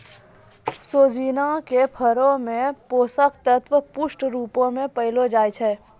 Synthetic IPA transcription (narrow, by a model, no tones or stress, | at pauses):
soːd͡ʒiːnakepʰəɾõmẽpoːsəkt̪ət̪ʋəpʊʃʈɾuːpõmẽpəɪlod͡ʒaːjt͡ʃʰɛː